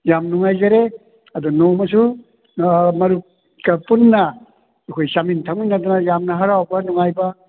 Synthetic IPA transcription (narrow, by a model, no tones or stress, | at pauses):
jamnuŋajzaɾe | ɐdunowmɐsu | mɐɾu | kɐpunːɐ | ekʰojsamintʰaŋninadanajamnɐɦaɾawbɐnuŋajbɐ